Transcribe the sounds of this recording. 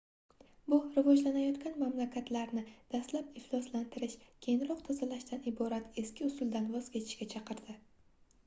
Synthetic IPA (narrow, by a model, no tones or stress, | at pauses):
bʊɾɪvɒd͡ʒlanajɒt̪kʲanmamlakʲʰat̪laɾnɪd̪̥ast̪lapɪflˠɒslant̪ʰɪɾɪʃkʲʰe̞jɪŋɾɒq̚t̪ʰazalaʃt̪anɪbɒɾat̪ʰe̞skʲɪʊsʊld̪anvɒz̥kʲe̞t̪ʰɪ̥ʃkʲat͡ʃʰɑqʰɨɾd̪̥ɪ